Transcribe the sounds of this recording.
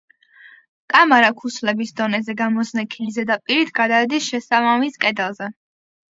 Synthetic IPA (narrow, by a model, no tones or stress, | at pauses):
kʼamaɾakʰuslɛbisd̪ɔnɛzɛɡamɔznɛkʰilzɛd̪apʼiɾit̪ʰɡ̥ad̪aɛd̪isʃɛsabamiskʼɛd̪alˠzɛ